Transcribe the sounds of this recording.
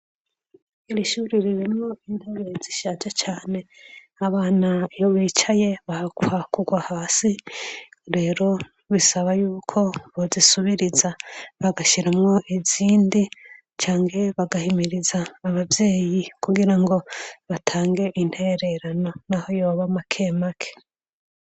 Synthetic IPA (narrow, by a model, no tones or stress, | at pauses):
iɾiʃuːɾiɾiɾimŋo̞inteβeziʃad͡ʒat͡ʃaːne̞ | aβaːnaijoβiːt͡ʃaje̞βahkwakuɡwahaːsi | ɾe̞ːɾo̞ | βisaβajuːkʰo̞βozisuβiɾizaβaɡaʃiɾamŋo̞ʔiziːndi | t͡ʃaːŋɡe̞βaɡahimiɾizaːβabje̞ːjikuɡiɾaŋɡo̞βatʰaːŋɡe̞ʔinte̞ɾe̞ɾano̞naho̞jo̞ːβamakʰe̞ːmakʰe̥